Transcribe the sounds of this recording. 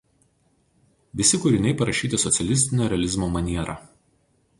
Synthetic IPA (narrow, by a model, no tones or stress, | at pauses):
ʋʲɪsʲɪkʊɾʲɪnʲɛɪpɐɾɐʃʲiːt̪ʲɪsɔt̪sʲɛlʲɪsʲt̪ʲɪnʲoːɾʲɛɐlʲɪzmoːmɐnʲiɛɾɑ̰ː